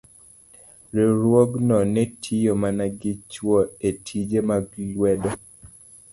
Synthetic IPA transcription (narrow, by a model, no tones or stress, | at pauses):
ɾiɾwoɡnɔnɛtʰijomanaɡɪt͡ʃwɔetʰid͡ʒemaɡlwɛdɔ